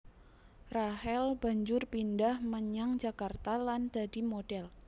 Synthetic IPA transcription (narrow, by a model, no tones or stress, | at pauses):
rahɛlb̥aɲd͡ʒʊrpindahməɲaŋd͡ʒakart̪aland̪̥adimod̥ɛl